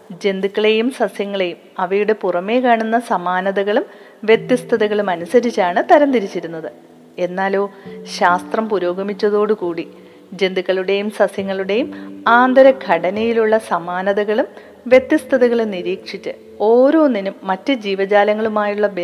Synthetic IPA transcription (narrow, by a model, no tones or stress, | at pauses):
d͡ʑe̞nd̪ikːɐɭe̞jumsɐsjɐŋːɐɭe̞jumɐʋɐjuɽe̞purɐme̞ːkaːɳunːɐsɐmaːnɐðɐɣɐɭum | ʋje̞t̪jɐst̪ʰɐðɐɣɐɭumɐnusɐɾit͡ɕːaːɳɨt̪ɐɾɐnt̪iɾit͡ɕːiɾunːɐðɨ | e̞nːaːlo̞ːɕaːst̪rɐmpuɾo̞ːɡɐmit͡ɕːɐðo̞ːɽɨkuːɽi | d͡ʑe̞nd̪ikːɐɭuɽe̞jumsɐsjɐŋːɐɭuɽe̞jumaːnd̪ɐɾɐɡʱɐɽɐnɐjiluɭːɐsɐmaːnɐðɐɣɐɭum | ʋje̞t̪jɐst̪ʰɐðɐɣɐɭeniɾiːkʂit͡ɕːɨ | oːɾo̞ːnːinuːɐtːɨd͡ʑiːʋɐd͡ʑaːlɐŋːɐɭumaːjuɭːɐb